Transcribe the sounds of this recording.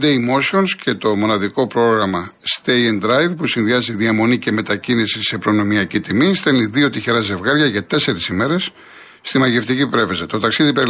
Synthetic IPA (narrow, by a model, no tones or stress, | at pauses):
d̪eimoso̞nsce̞t̪o̞mo̞nɐðiko̞pɾo̞ɣɾɐmɐst̪ejend̪ɾɐjvpusinðiɐziðiɐmo̞nice̞me̞t̪ɐcinisise̞pɾo̞no̞miɐcit̪imist̪e̞lniðio̞t̪içeɾɐze̞vɣɐɾʝɐʝɐt̪e̞se̞ɾisime̞ɾe̞sː | t̪imɐʝe̞ft̪icipɾe̞vezɐt̪o̞t̪ɐksiðipeɾi